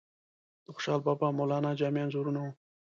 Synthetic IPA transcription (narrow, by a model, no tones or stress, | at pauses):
d̪̥əxʊ̥ʃɑːlbɑːbɑmolɑːnɑd͡ʒɑːmjɑnzoɾunau